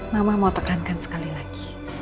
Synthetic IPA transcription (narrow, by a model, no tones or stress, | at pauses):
mamamaut̪əkankansə̥kalilaɡ̥i